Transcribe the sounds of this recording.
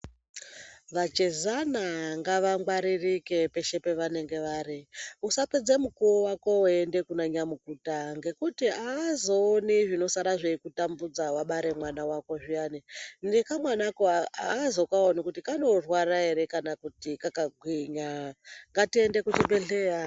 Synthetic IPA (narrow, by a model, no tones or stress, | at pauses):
ʋat͡ʃezanaŋɡaʋaŋɡwaɾirike̞pe̞ʃe̞pe̞ʋane̞ŋɡe̞ʋaːɾiusaped͡zemukuowako̞ende̞kunaɲamukutaŋɡe̞kutiaːzoːniʐino̞saɾaʐeikutambud͡zawaɓaɾe̞mwanawako̞ʐijaninekamwanakoaaːzokaonikutikano̞rwaɾaeɾe̞kanakutikakaɡʱwiɲaŋɡatie̞nde̞kut͡ʃiɓeɮeːra